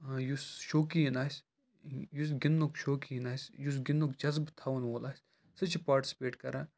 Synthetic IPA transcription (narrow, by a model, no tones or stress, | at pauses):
ãjusʃoːkiinaːsʲ | jus̬ɡinːokʃoːkiinaːsʲjus̬ɡinːokd͡ʒɐzbt̪ʰaːʋɐnʋoːlʔaːsʲ | sɨt͡ʃʰpaːɾʈi̥sʲi̥peːʈkɐɾaː